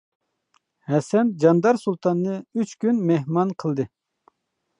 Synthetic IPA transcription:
hɛsɛnd͡ʒɑnd̪ɑɾsulˠt̪ʰɑnːɨyt͡ʃkʲynmeɦmɑnqʰəlˠd̪ɨ

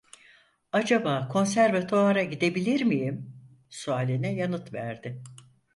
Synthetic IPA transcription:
ad͡ʒabaːkʰo̞nsæɾvɛt̪ʰoaɾaɟid̪e̞bilʲiɾmijim | suaːlʲinɛjanɯt̪væɾd̪ɪ

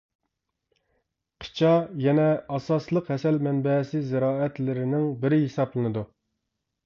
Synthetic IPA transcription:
qʰɨ̥t͡ʃʰɑjɛnɛɑsɑslˠəqhɛsɛlmɛnbɛsɪzɪɾɑːɛt̪lɪɾɪnɪŋbɪɾɪɦesɑplˠɨnɨd̪u

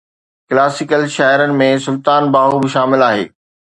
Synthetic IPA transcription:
klaːsɪkəlʃaːɪɾənɪ̆mẽsʊlt̪aːnbaːɦubɪʃaːmɪlaːɦḛː

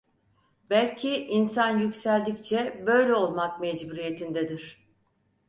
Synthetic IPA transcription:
bælʲcʰiʔinsanjycsælʲd̪ict͡ʃʰɛbø̞jlʲɛo̞lˠmak̚mɛd͡ʒbuɾije̞t̪ʰind̪ɛd̪iɾ̥

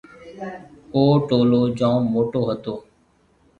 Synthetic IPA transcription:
oːʈoːloːd͡ʒãːmoːʈoːɦət̪oː

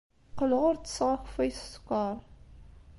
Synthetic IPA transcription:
qəlʁʊɾt͡sə̥sʁaxfæjsskʷːɑɾˤ

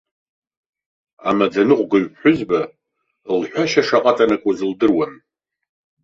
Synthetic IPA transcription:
a̰mad͡zanɨqʷɡɨɥħʊzba | lħʷᶣaʃaʂaqʼatʼanakʷʼazɨldɨrwan

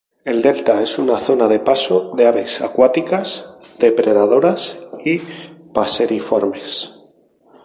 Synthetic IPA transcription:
e̞ld̪e̞lt̪ae̞sunaθo̞naðe̞pasoðe̞aβe̞sa̰kwat̪ikazd̪e̞pɾe̞ðaðo̞ɾasipase̞ɾifo̞ɾme̞s

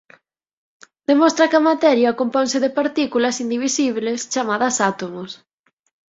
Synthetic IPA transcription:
d̪emɔst̪ɾɐkɐmat̪ɛɾjɐkomponsɪðɪpaɾt̪ikulɐsind̪iβisiβlest͡ʃamaðɐsat̪omos

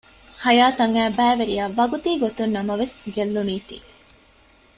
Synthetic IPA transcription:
hɐjaːt̪ɐŋæːbæːʋeɾiaʋɐɡut̪iːɡot̪unnːɐmɐʋesɡelːuniːt̪ḭː

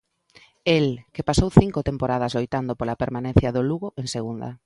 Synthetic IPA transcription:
elkepasowθiŋkot̪empoɾað̞ɐzlojt̪and̪opolapeɾmanẽn̟θjɐðoluɣoʔeŋseɣund̪ɐ̰a

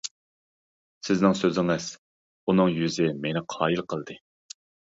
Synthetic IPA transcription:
sɪznɪŋsøzɪŋɪz̥ | unɨŋjyzɪmenɪqʰɑːilˠqʰəlˠd̪ɨ

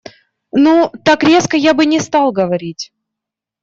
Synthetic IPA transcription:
nut̪akɾʲe̞skəjabɨnʲɪst̪alˠɡəvɐɾʲitʲ

